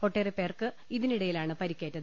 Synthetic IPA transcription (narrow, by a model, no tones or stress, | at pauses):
po̞ʈːeːripːe̞ːrkɨ | iðiniɽɐjilaːɳɨpɐɾikʲːeːtːɐðɨ